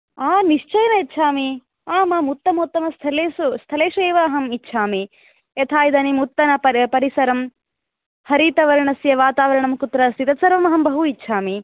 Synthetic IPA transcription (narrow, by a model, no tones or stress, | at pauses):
aːniʂt͡ʃɐjɐnɐitːʃʰaːmi | aːmɐmut̪ːɐmot̪ːɐmɐst̪ʰɐleːsust̪ʰɐleːʂueːʋɐːɦɐmitːʃʰaːmi | et̪ʰaːjid̪ɐnimut̪ːɐnɐpɐɾpɐɾisɐɾɐm | hɐɾiːt̪ɐʋɐɾɐɳɐsjɐʋaːt̪aːʋɐɾɐɳɐmkut̪ɾɐst̪it̪ɐt̪sɐɾʋɐmɐɦɐmbɐɦuitːʃʰaːmi